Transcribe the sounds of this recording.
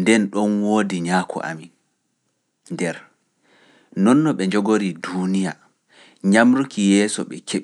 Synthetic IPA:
ndɛnɗɔnwoːdiɲaːkʰɔ̰ʔa̰mi | ndɛɾ | nɔnːɔɓɛɲd͡ʒɔɡoɾidunija | ɲamɾukijɛːsɔ̰ɓɛkʰeɓ

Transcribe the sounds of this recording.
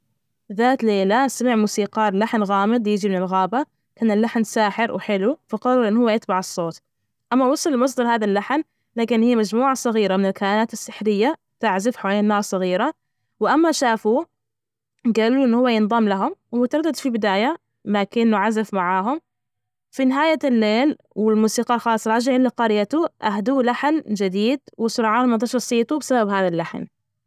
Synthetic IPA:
ðaːt̪leːlasamɪʕmuːsiːqɑːɾlaħnɣaːmɪd̪ˤjɪd͡ʒimɪnɪlɣaːba | kaːnɪlːaħnsaːħɪɾwħɪlufɑqɑrˤːɑɾˤʔɪnːhʊwːajɪt̪baʕɨsˤːoːt̪ | ʔamːawɑsˤɨllmɑs̬ˤd̪ɑɾhaːðalːaħn | laːkɪnhɪjːamad͡ʒmuːʕasˤɑɣiːɾamɪnɪlkaanaːt̪ɪsːɪħɾɪjːa | t̪aʕzɪfħawaːleːnːɑːɾˤsˤɑɣiːɾa | wɪʔamːaʃaːfu | ɡaːluʔɪnːhʊwːajɪnðˤɑmlaɦʊmwmʊt̪ɑɾˤɑd̪ːad̪fibɪd̪aːja | makɪnːʊʕazafmaʕaːɦʊm | finɪɦaːjalːeːl | wɪlmuːsiːqɑlxɑːlsˤːɑɾˤɑd͡ʒaʕɪlːaqɑɾɪjat̪uʔahd̪uːlaħnd͡ʒɪd̪iːd̪wɪsʊɾɑːʕaːnmat̪ɑʃɑɾˤsˤiːt̪ubɪsababhaːðalːaħn

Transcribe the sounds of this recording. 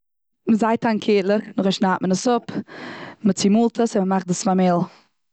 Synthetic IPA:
məzaɪtʰaŋkʰiːtlˠənʊχɛʃnaːʔmənəsʊp | mət͡simuːlˠtʰəsɪməmaχtəsfamɪlˠ

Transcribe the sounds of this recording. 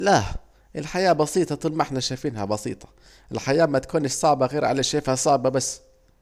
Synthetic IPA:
la | ʔɪlħajaːbɑsiːt̪ˤɑt̪ˤuːlmaʔɪħnaʃajfiːnhabɑsḭːt̪ˤʰɑ̥ | ʔɪlħajaːmat̪kuːnɪʃsˤɑʕbɑɣeːɾʕa̰leʃaːfhasˤɑʕbɑbasː

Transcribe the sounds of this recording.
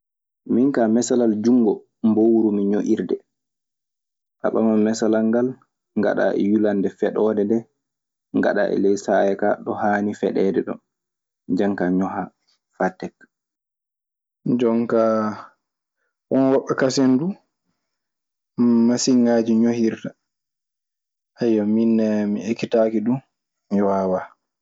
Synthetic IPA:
miŋkamɛsalald͡ʒuŋɡɔ | mbowuɾumiɲoʔiɾdɛ | ʔa̰ɓamamɛsalaŋɡal | ŋɡa̰ɗa̰ʔɛ̰julandɛfɛɗɔdɛdɛ | ŋɡa̰ɗa̰ʔɛ̰lɛjsajɛkaɗɔhaːnifɛ̰ɗɛːdɛɗɔ̰n | d͡ʒaŋkaɲɔɦa | fatːɛk | d͡ʒɔŋka | ʔɔnwɔɓɛkasendu | masiŋaːd͡ʒiɲohiɾta | ʔajːaminːɛmiekːitakiɗu | iwawa

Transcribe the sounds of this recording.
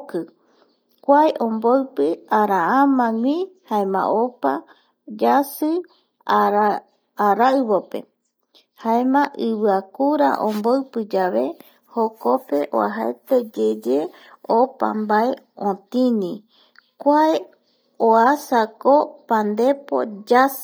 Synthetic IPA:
kɨ | kʷaeʔõmboɨpɨaɾaãmãŋʷĩhaẽmã̰ʔopa | d͡ʒasɨ | aɾː | ɾaɨβope̞̰ | haẽmãʔɨβɨakuɾa̰ʔõmboɨpɨd͡ʒaβe̞ | hoko̞peʔo̰a̰ɦaḛt̪ed͡ʒed͡ʒe | opa̰mbaeõt̪ĩnĩ | kʷae | oasakopand̪e̞po̰d͡ʒas

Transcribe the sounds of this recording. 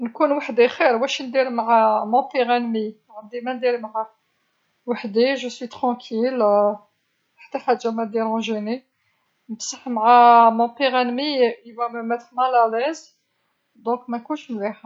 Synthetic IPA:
nkunwaħd̪ixiɾwæʃnd̪iɾmʕamɔ̃piʁænmi | ʕənd̪imænd̪iɾmʕæ | waħd̪iʒəswit̪χɑ̃kʰil | ħt̪ːæħæd̪ʒæmæd̪iɾæ̃ʒini | nəbsəħmʕæmɔ̃piʁænmiiwæmmæt̪mælælæz | d̪ɔ̃kmænkunʃmliħ

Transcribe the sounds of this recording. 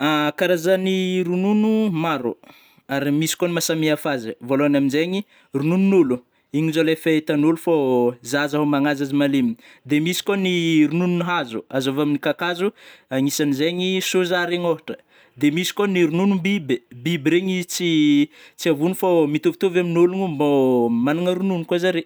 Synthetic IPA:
akaɾazaniɾununumaɾṵ | aɾimisi̥konimasamiafazivoloanaminzeɲi | runununulu | iɲinzolefaet̪anulufazazaɦomaŋazazimalimi | d̪emisi̥koniɾunununuɦazuazovaminikakazuaŋisanizeɲisozaɾeɲoɦaʈ͡ʂə̥ | d̪emisi̥koniɾununumbibebibiɾeɲit͡sit͡siavunufamit̪ovit̪ovaminuluŋumbomanuŋəɾununukwazaɾe

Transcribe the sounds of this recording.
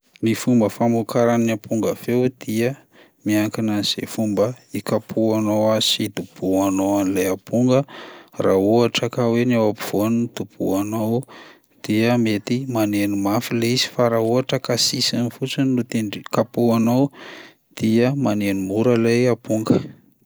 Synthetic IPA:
mifumbəfamukaɾaniapʰuŋɡəvewd̪̥iə | miaŋkinaniz̥ḛfumbəikapʰuanowazi̥id̪ub̥uanowanilajapuŋɡərauaʈ͡ʂakawenawapiv̥onid̪ub̥ṵanow | d̪̥iəmet̪imanenimafileizi̥faɾauaʈ͡ʂəkasisanifut͡sinnut̪eɳɖ͡ʐikapuanow | d̪̥iəmanenimuɾəlajapuŋɡə

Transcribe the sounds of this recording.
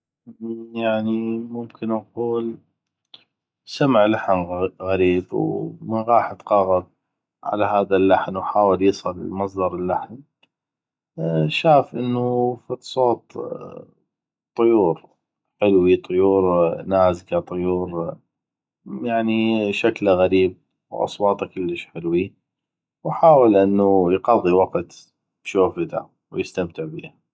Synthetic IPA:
jaʕnimʊmkɪnʔɑquːl | samʕlaħnɣaɾiːbwmɪnɣɑːħt̪qɑɣɑð̚ | ʕa̰laɦaːðalːaħnwħaːwɪljɨsˤɨlɪ̰lmɑs̬ˤd̪ɑɾˤɪlːaħn | ʃaːfʔɪnːufisˤoːt̪ˤ | t̪ˤːʊjuːɾ | ħɪlwit̪ˤʊjuːɾnaːzkat̪ˤʊjuːɾ | jaʕniʃaklaɣaɾiːb̚ | wʔɑ̰sˤwɑːt̪ˤakɪlːəʃħɪlwi | wħaːwɪlʔɪnːujqɑðˤːiwɑqt̪ | bʃoːfɪd̪a̰ʕ | wjɪst̪amt̪ɪʕbḭːha

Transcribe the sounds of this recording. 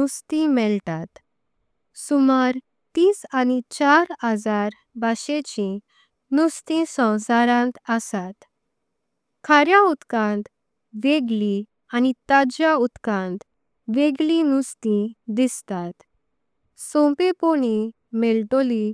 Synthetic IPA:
ust̪ĩmɛlt̪at̪ | sumaɾ | t̪iːsanit͡ɕaɾəd͡zaɾ | baɕet͡ɕĩ | nust̪ĩsɔ̃saɾãnt̪əsat̪ | kʰaɾjãut̪kãnt̪ | ʋeɡli | anit̪ad͡ʑjaut̪kãnt̪ | ʋeɡlĩnust̪ĩd̪ist̪at̪ | sõmpepoɽ̃i | mɛlʈoli

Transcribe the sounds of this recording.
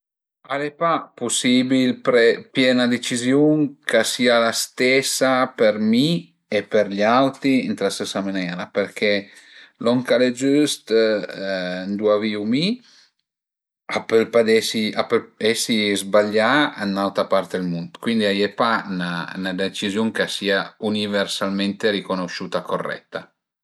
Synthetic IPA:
alepapusibilpɾepjɛnad̪et͡ʃizjuŋkʰasialast̪ɛsapeɾmi | epeɾʎawt̪iint̪ɾast̪esamanɛːɾapeɾkʰelɔŋkaled͡ʒyst̪ | nd̪uaviumi | apelpad̪ɛsiapelɛsizbaʎːaanːawt̪apart̪elmund̪kwind̪iajepananad̪et͡ʃizjoŋkasiːauniversalment̪eɾikonoʃuːt̪akorːɛ̰t̪ːa

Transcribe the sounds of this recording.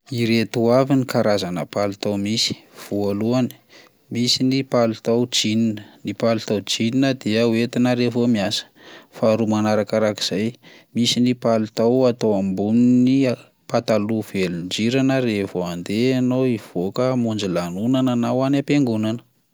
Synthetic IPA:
iɾet̪uavinikaɾazanə̰palut̪awmisi̥v̥ualuani̥ | misinipalut̪awd͡ʒininənipalut̪awd͡ʒininəd̪iəwet̪inaɾevomiasə̥faɾumanaɾakaɾaki̥z̥ajmisinipalut̪awat̪owambunini | pat̪aluvelund͡ʒiɾanəɾevoand̪eanoiv̥okəmund͡ʒilanunananawanapeŋɡunanə̥

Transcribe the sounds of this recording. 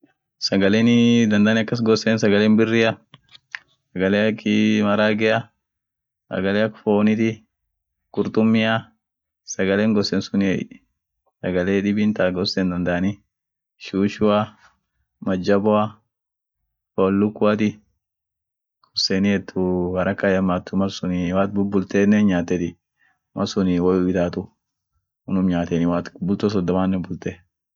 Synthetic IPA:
sɐɡɐleːnɪd̪ɐnd̪aːnɪɐkːɐs̬ɡɔsːeːnsɐɡɐleːnbɪrːɪɐ | sɐɡɐleːɐkːɪmɐɾaːɡɛɐ | sɐ̰ɡɐleːɐkːfoːnɪt̪ɪ | kʊɾt̪ʊmːɪa | sɐɡɐleːŋɡɔsːɛːnsʊnɛ̰j | sɐɡɐleːᶑɪbint̪aːɡɔsːɛnd̪ɐnd̪ɐnɪ | ʃuːʃʊɐ | mɐd͡ʒːɐbɔɐ | folːʊkːʊɐt̪ɪ | kɔsɛnɪɛt̪ʰːʊhɐɾʔɐkːajɐmːaːt̪ːʊmɐsʊnɪwaːt̪bʊbʊlt̪eːnːɛnɲaːt̪ːɛt̪ɪ | mʔɐsʊnɪwɐjuɪd̪aːt̪ʊ | ʊnʊmɲaːt̪ɛnɪwaːt̪bʊlt̪os̬ɔd̪ːɔmaːnːɛbʊlt̪ɛ

